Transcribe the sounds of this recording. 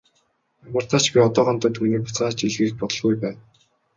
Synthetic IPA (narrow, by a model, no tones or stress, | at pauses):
amə̆r̥t̪ʰat͡ɕpiɔt̪ɔːʁɔnt̪ʊːt̪ʰuniːpʊt͡saːt͡ɕiɮɣɘ̆ːɾɘ̆k̚pɔt̪ɞ̆ɮɣujpæːn